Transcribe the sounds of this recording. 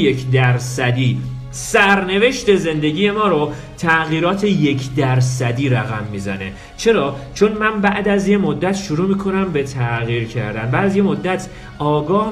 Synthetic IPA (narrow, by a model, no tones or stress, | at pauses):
jekʰd̪æɾsæd̪iː | sæɾne̞ve̞ʃt̪e̞ze̞nd̪e̞ɟiːje̞mɒːɾo | t̪ʰæʔɣiːɾɒːt̪ʰe̞je̞cʰd̪æɾsæd̪iːɾæɣæmːiːzæ̰ne̞̰ | t͡ʃʰe̞ɾɒːt͡ʃʰonmænbæʔd̪æzje̞mod̪ːæt̪ʃuɾuːmiːkʰo̞næmbet̪ʰæʔɣiːɾcʰæ̰ɾd̪ænbæːd̪æzje̞mod̪ːæt̪ʰ | ʔɒːɡɒː